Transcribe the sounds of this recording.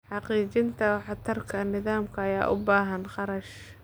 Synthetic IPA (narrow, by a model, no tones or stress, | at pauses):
ħɑqiːt͡ʃɪnt̪ʰɐħɑt̪ʰɐrkʰɐnɪðaːmkʰɐːja̰ːʔʊ̰baːɦɐnχɑɾɐʃ